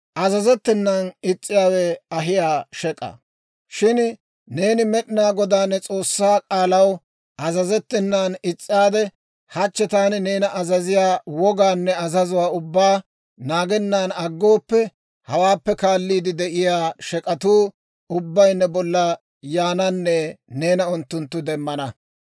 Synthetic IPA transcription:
ʔɐzɐzɛt̪ːɪnːanɪt͡sʼːɪjaːwɛɐɦɪjaːʃɛkʼɐ̰ | ʃɪn | ne̞ːnɪmɛɗɪnaːɡɔd̪aːnːɛt͡sʼo̞ːsːaːkʼaːlɐw | ɐzɐzɛt̪ːɪnːaːnɪt͡sʼːɪaːd̪ɛ | hɐt͡ʃːɛt̪aːnɪneːnɐʔɐzɐzɪjaːwɔɡaːnːɛɐzɐzʊwaːʊbːaː | naːɡɛnːaːnɐɡːo̞ːpːɛ | hɐwaːpːɛkaːlːiːd̪ɪd̪ɛʔɪjaːʃɛkʼɐt̪uː | ʊbːɐjnːɛbɔlːɐ | jaːnɐnːɛne̞ːnɐʊnt̪ːʊnt̪ːʊd̪ɛmːɐnɐ

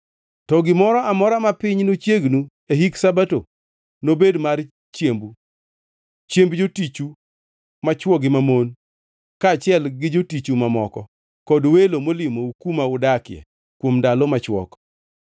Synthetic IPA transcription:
tɔɡɪmɔɾɔʔamɔɾamapɪɲnot͡ʃjeɡnu | eɦiksabato | nobedmar | t͡ʃjembu | t͡ʃembd͡ʒotit͡ʃu | mat͡ʃwɔɡɪmamon | kaːt͡ʃɪɛlɡɪd͡ʒotit͡ʃumamɔkɔ | kɔdwelomolɪmoukumaʊdakjɛ̰ | kwomdalɔmat͡ʃwɔ̰k

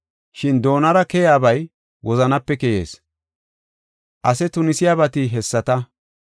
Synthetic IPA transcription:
ʃɪnd̪o̞ːnɐɾɐkɛjaːbɐj | wʔɔzɐnɐpːɛkɛjḛːs | ʔɐsɛt̪ʊnɪsɪjaːβɐt̪ɪɦɛsːɐt̪ɐ

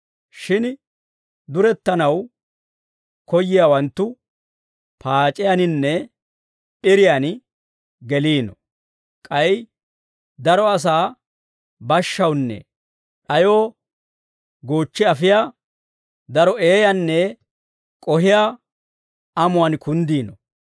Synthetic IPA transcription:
ʃɪn | d̪ʊɾɛt̪ːɐnɐw | kɔjːɪjawɐnt̪ːʊ | pʰaːt͡ʃʼːɪjanɪnːɛ | pʼɪɾɪjan | ɡɛliːnɔ | kʼɐj | d̪ɐɾɔɐs̬aː | bɐʃːɐwnːɛ̰ | ʔɐjo̞ː | ɡoːt͡ʃːɪɐfɪjaː | d̪ɐɾɔe̞ːjanːɛ | kʼɔɦɪja | ɐmʊwankʰʊnd̪iːnɔ

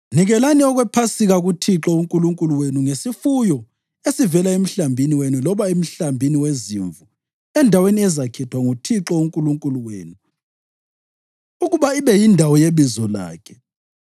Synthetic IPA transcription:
niɣɛlaniɔɣwɛpʰasiɣaɣutʰiǁɔuŋkʼuluŋkʼuluwenuŋesifujɔ | esivɛlaem̩ɬambʱiniwenulɔβaem̩ɬambʱiniweziɱvu | ɛndʱaweniɛzakʰɛtʰwaŋutʰiǁɔuŋkʼuluŋkʼuluwḛːnu | uɣuβaiβɛjindʱawɔjeβizɔla̰ːkʰɛ̥

